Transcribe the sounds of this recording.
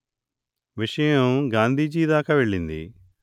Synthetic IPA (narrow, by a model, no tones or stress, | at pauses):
ʋiʂɐjɐmɡaːnd̪ʱiːd͡ʒiːd̪aːkaʋeɭːind̪ḭ